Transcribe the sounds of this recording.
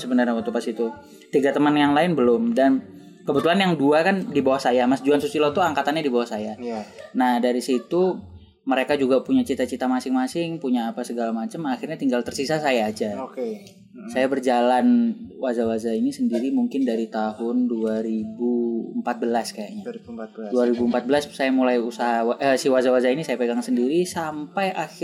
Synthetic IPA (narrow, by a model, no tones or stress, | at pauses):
səbənərɲapat̪upasit̪u | t̪iɡat̪əmanjaŋlaɪnbəlʊmdan | kəbət̪ulanjaŋduakandibawahsajamasd͡ʒuansusilɔt̪uaŋkat̪anɲadibawahsajanahdaɾisit̪u | məɾekad͡ʒuɡapuɲat͡ʃit̪at͡ʃit̪amasɪŋmasɪŋpuɲaːpasəɡalamat͡ʃəmaxɪrɲat̪iŋɡalt̪ərsisasajaːd͡ʒake | sajabərd͡ʒalanwazawazainisəndiɾimuŋkɪndaɾit̪aɦʊnduaɾibuəmpat̪̚bəlaskajaɲat̚duaɾibuəmpat̪̚bəlassajamulajusaɦawaʔəsiwazawazainisajapeɡaŋsəndiɾisampajʔaxɪ